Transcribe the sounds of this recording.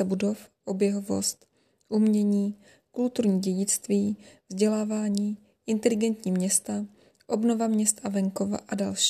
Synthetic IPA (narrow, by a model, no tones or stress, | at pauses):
ɛbudo̞fʔo̞bjɛɦovo̞̰st̪ | ʔumɲɛɲiː | kult̪uɾɲiːɟɛɟɪt͡st̪viːvzɟɛlaːvaːɲiː | ʔɪnt̪ɛlɪɡɛnt̪ɲiːmɲɛst̪a | ʔo̞bno̞vamɲɛst̪ʔavɛŋko̞va̰ʔadalʃ